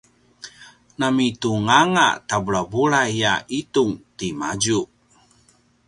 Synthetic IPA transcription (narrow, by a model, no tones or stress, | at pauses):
namituŋaŋa̰tabuɭabuɭaijaituŋtimad͡ʒu